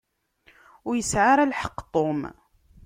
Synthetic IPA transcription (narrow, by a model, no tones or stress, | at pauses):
ʊjəsʕaɾælħə̥qːt̪ˤːom